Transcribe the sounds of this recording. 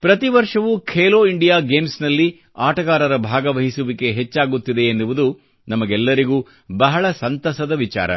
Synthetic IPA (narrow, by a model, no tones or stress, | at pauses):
pɾɐt̪iʋɐɾʂɐʋukʰeːloːiɳɖijaːɡeːmsnɐlːi | aːʈɐɣaːɾɐɾɐbʱaːɡɐʋɐɦisuʋike̞ɦet͡ʃːaːɡut̪ːid̪e̞ːnduʋud̪u | nɐmɐɡɛlːɐɾiɡuː | bɐɦɐɭɐsɐnt̪ɐsɐd̪ɐʋit͡ʃa̰ːɾɐ̰